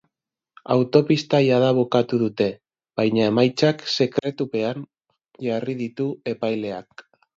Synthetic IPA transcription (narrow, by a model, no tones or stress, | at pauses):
a̰wt̪o̞pist̪ajaðaβokat̪uðut̪e̞ | βajɲae̞majt͡sakse̞kɾe̞t̪upe̞an | ʝariðit̪ue̞pajle̞ak